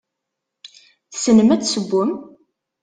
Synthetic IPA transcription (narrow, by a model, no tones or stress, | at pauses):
θsnəmæt͡sːsəɡʷːəm